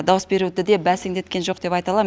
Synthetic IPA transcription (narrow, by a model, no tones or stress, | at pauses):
d̪ɑwəsbe̞ɾud̪ɪd̪ebæsɪŋd̪e̞t̪kʲe̞nʒo̞qd̪e̞pɑjt̪ɑlˠɑm